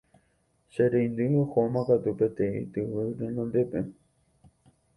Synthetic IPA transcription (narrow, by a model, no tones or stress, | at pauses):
ʃeɾeĩnd̪ɨohomãkat̪upet̪ẽḭ̃t̪ɨwɨɾenõnd̪epe